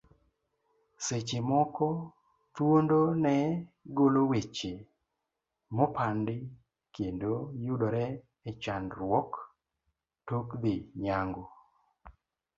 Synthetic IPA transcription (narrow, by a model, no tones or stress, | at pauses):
set͡ʃemɔkɔ | t̪wondonɛɡolowet͡ʃe | mɔpʰandɪ | kendojudoɾɛ | ɛt͡ʃanɾwɔk | tokd̪ɪɲaŋɡo